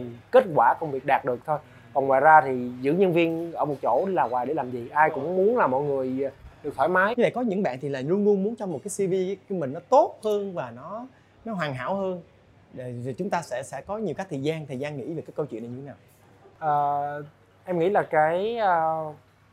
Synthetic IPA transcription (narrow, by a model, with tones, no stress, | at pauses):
ke˦˥t̚kwaː˧˩kə˧wŋ͡mvi˨˩ək̚ɗaː˨˩t̚ɗɨ˨˩ək̚t̪ʰo˧j | kɔ˨˩nŋwaː˨˩jzaː˧t̪ʰi˨˩zɨ̰˧˥ɲə˧nvi˧ənʔəː˧˩mo˨˩t̚t͡ɕo̰˧˩˧laː˨˩waː˨˩jɗe˧˩laː˨˩mzi˨˩ʔaː˧jkʊ̰˧˥ŋ͡mmu˨˦ənlaː˨˩mɔ̰˧˨jŋɨ˨˩əjɗɨ˨˩k̚faː˧˩jmaː˨˦jvə̰˧˨kɔ˨˦ɲɨ̰˧˥ŋɓa̰ː˧˨nt̪ʰi˨˩laː˨˩nu˧nlu˧ənmu˨˦ənt͡ɕɔ˧ŋ͡mmo˨˩t̚kaː˨˦si˧vi˧kːmï˨˩ŋ̟nɔ˨˦t̪o˦˥t̚həː˧nvaː˨˩nɔ˨˦ | nɔ˨˦ɦwaː˨˩ŋɦa̰ː˧˥˨whəː˧n | ɗe˧˨˩t͡ɕʊ˨˦ŋ͡mt̪aː˧sɛ̰˧˥sɛ̰˧˥kɔ˨˦ɲi˨˩wkaː˦˥k̚t̪ʰːjzaː˧nt̪ʰəː˨˩jzaː˧nŋḭ˧˥e˨˩kaː˨˦kə˧wt͡ɕwḭ˧˨nɗɲɨ˧˩e˦naː˨˩w | ʔəː˨˩ | ʔɛ˧mŋḭ˧˥laː˨˩kaː˨˦jʔəː˨˩